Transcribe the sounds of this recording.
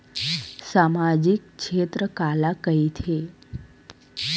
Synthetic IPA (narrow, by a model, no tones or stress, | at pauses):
samad͡ʑikʃet̪ɾəkalakəit̪ʰe